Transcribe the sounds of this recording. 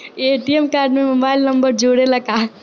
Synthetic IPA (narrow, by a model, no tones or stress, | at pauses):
eʈiemkaːɾɖmemobaɪlnəmbəɾd͡ʒʱuɽeləka